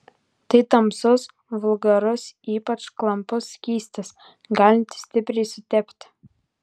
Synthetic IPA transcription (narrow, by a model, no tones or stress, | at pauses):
t̪ɐɪt̪ɐmsʊs | ʋʊlˠɡɐɾʊsiːpɐt͡ʃklˠɐmpʊskʲiːsʲt̪ʲɐs | ɡɑːlʲɪnʲt̪ʲsʲt̪ʲɪpʲɾʲɛɪsʊt̪ʲɛpʲt̪ʲ